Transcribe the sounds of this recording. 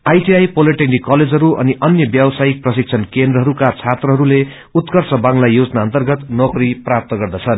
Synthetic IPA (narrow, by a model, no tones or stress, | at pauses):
ajʈiajpoleʈeŋɖikʌled͡zɦʌɾuʔʌniʔʌnjʌbjawsajik̚prʌsik̚t͡sʰʌnkend̪rʌɦʌɾukat͡sʰat̪rʌɦʌɾule | ut̪kʌrsʌbaŋlajod͡znaʌnt̪ʌrɡʌt̪nokriprap̚t̪ʌɡʌrd̪at͡sʰʌn